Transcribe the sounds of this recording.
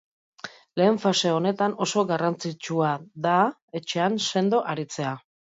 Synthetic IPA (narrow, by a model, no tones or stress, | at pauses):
le̞ːɱfase̞o̞ne̞t̪ano̞so̞ɣarant͡sit͡ʃuaða | e̞t͡ʃe̞anse̞nd̪oʔaɾit͡se̞a